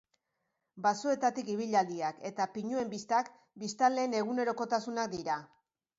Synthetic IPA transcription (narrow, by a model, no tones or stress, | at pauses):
basue̞t̪at̪ikiβ̞iʎald̪iake̞t̪apiɲue̞mbist̪ak | bist̪ale̞ːne̞ɣ̞une̞ɾo̞ko̞t̪asunak̚d̪iɾa